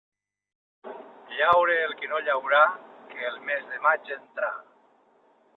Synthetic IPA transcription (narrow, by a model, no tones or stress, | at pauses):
ʎawɾeːlˠkinoʎawɾakeːlˠmezðemad͡ʒent̪ɾa̰